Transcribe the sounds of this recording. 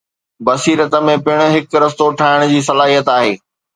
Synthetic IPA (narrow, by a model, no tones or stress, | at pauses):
bɐsiːɾət̪ə̆mẽpɪɽ̃ʊ̆ɦɪkɾɐs̬t̪oʈʰaːɪɽ̃d͡ʑiːs̬ɐlaːɦijət̪aːɦeː